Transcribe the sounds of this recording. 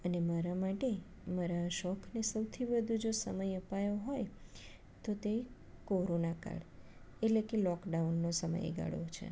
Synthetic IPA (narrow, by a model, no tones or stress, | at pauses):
ənemaɾamaʈe | maɾaʃɔkʰnesəwt̪ʰibəd̪ʱũd͡ʒosə̰məjəpajoɦoj | t̪ot̪e | koɾonaka̰ɽ | eʈlekelɔkɖaunːosəmə̰jḛɡa̰ɽo̰t͡ʃʰḛ